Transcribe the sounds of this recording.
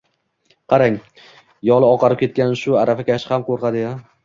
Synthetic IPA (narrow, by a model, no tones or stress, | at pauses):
qʰɑɾaŋ | jɒlˠɪɒqʰɑɾɪp̚kʲʰe̞t̪̚kʲanʃʊaɾafakʲʰaʃɪhamqoɾqʰɑd̪ɪja